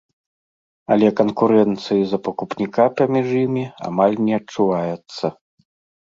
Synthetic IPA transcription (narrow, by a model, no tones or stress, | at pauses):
ɐlʲɛkɐnkuɾɛnt̪sɨjizɐpɐkupnʲikapɐmʲiʐjimʲia̰malʲnʲɛɐtt͡ʂuvajɛt̪sːɐ